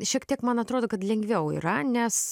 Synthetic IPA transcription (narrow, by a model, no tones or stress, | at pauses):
ʃʲiɛkt̪ʲiɛkmɐnɐt̪ɾoːd̪oːkɐt̪lʲɛŋʲɡʋʲɛʊḭːɾɐnʲɛs